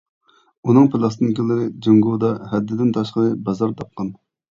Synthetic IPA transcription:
unɨŋpʰɪlˠɑst̪ɨnkʲilˠɨɾɪd͡ʒɪŋɡud̪ɑhɛd̪ːɪd̪ɪnt̪ʰɑʃqəɾɨbɑzɑɾt̪ʰɑp̚qʰɑn

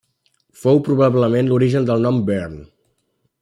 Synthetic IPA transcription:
fowpɾuβaβləmenluɾiʒənd̪əlˠnɔmbɛɾn

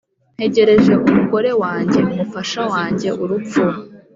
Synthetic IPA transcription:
n̥he̞ɟe̞ɾe̞ʒe̞ʔumuɡo̞ɾe̞waːɲɟe̞umufaʃawaːɲɟe̞uɾup͡fuɾa

